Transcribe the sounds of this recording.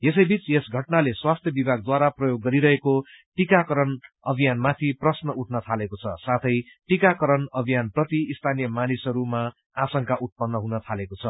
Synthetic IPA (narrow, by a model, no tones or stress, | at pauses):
jesʌjbit͡sesɡʱʌʈnaleswast̪ʰjʌbibʱaɡ̚d̪waɾaprʌjoɡːʌɾiɾʌɦeko | ʈikakʌɾʌn | ʌbʱijanmat̪ʰiprʌsnʌuʈʰnʌt̪ʰalekot͡sʰʌ̰sat̪ʰʌjʈikakʌɾʌnʌbʱijanprʌt̪iːst̪ʰanijʌmanisɦʌɾuma | asʌŋkaʔut̪̚pʌnːʌɦunʌt̪ʰalekot͡sʰʌ